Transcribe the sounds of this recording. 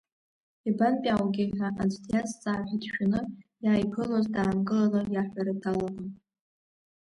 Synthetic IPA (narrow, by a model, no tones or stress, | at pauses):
ibanpʲʼawɡʲiħaʔad͡zʰtʰjat͡st͡sʼaːħʷidʃᶣanɨjaːjpʰɨlazdaːmɡɨlalajaħʷᶣaɾatʰalakʷʼʊn